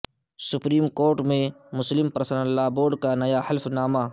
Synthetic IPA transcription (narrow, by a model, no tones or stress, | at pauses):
sʊpɾiːmkoːɾʈmẽmʊslɪmpɐɾəsənəlːaːboːɖkanɐjahɐlfnaːmaː